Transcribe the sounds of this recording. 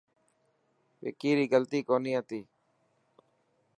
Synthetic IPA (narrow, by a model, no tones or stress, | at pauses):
ʋḛkiːɾiːɡəlt̪iːkoːniːɦət̪iː